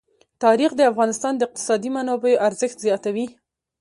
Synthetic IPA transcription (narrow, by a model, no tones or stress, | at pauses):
t̪ɑɾixd̪əafɣɑnɪst̪ɑnd̪əɪq̚t̪ɪ̥sɑd̪imanɑbejoʔaɾzəxt̪zjɑt̪awi